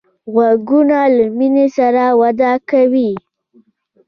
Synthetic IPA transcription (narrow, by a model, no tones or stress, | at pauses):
ɣaɡunalaminesaɾawad̪akawi